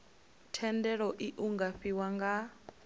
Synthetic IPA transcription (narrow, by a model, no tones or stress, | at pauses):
tʰɛndɛɺɔʔiʔuŋɡaɸiwaŋɡa